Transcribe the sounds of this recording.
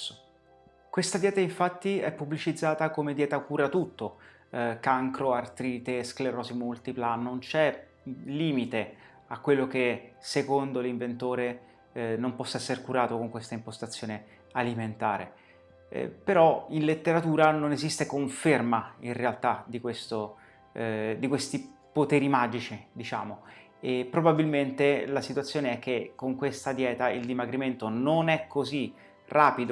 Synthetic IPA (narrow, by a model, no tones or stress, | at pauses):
kwest̪ad̪jɛːt̪aiɱfat̪ːiɛ̰pːublit͡ʃid̪zːaːt̪akomed̪jɛːt̪akuːɾat̪ut̪ːo | kaŋkɾoart̪ɾiːt̪eskleɾɔsimult̪iplanːont͡ʃɛ | liːmit̪e | akwelːokesekond̪oliɱvent̪oːɾe | nompɔsːaɛsːeɾekuɾaːt̪okoŋkwest̪aimpost̪at̪sːjoːne | aliment̪aːɾḛ | peɾɔinlet̪ːeɾat̪uːɾanonezist̪ekoɱfermainrealt̪ad̪ikwest̪o | d̪ikwest̪ipot̪ɛːɾimaːd͡ʒit͡ʃid̪it͡ʃa̰ːmo | epːɾobabilment̪elasit̪wat̪sːjoːneɛk̟ːekːoŋkwest̪ad̪jɛːt̪aild̪imaɡɾiment̪ononɛkʰːozi | raːpid̪o